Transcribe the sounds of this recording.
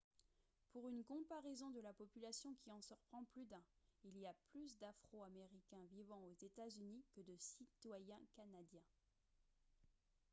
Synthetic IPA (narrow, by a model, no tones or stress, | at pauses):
puʁynkɔ̃paʁɛzɔ̃d̪əlapɔpylasjɔ̃kʲiɑ̃syʁpχɑ̃plyd̪ɛ̃iliaplys̬d̪afχoameʁikʲɛ̃vivɑ̃ozet̪azynikəd̪əsit̪wajɛ̃kanad̪jɛ̃